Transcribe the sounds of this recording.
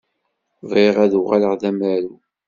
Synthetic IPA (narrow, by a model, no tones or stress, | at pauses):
viʁæðuʁaləʁðæmæɾu